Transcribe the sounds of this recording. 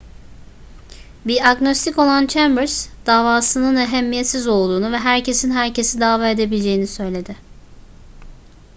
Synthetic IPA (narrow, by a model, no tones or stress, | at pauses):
biɾakno̞st̪ʰiko̞lˠant͡ʃʰæmbɯɾsd̪̥aːvaːsɯnɯnɛɦɛmːijet̪sizo̞lˠd̪uːnuvɛɦæɾce̞sinɦæɾcʰe̞sid̪aːvaːe̞d̪e̞bilʲd͡ʒe̞jinisø̞jlʲe̞d̪ɪ